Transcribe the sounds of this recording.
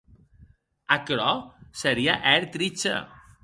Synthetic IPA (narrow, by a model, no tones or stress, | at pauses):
akɾɔsəɾiaʔɛɾt̪ɾit͡ʃḛ